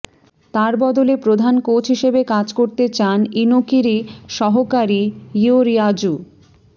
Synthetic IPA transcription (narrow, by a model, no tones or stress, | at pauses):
t̪aɾbɔd̪olepɾod̪ʱankowt͡ɕɦiʃebekad͡ʑkoɾt̪et͡ɕaninokiɾiʃɔɦokaɾiioɾiad͡ʑu